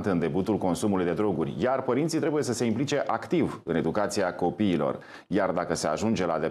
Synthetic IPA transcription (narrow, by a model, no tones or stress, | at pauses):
t̪ɨnd̪e̞but̪ulko̞nsumulujd̪e̞d̪ɾo̞ɡurʲjarpəɾint̪sit̪ɾe̞buje̞səse̞implit͡ʃe̞ʔakt̪ivɨne̞d̪ukat̪siako̞piːlo̞̰r | jard̪akəse̞a̰ʒund͡ʒe̞la̰d̪e